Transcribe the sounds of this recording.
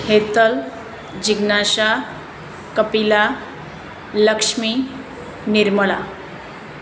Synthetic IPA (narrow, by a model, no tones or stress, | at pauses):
het̪əl | d͡ʑiɡnaɕa | kəpila | ləkʂmi | niɾməɭa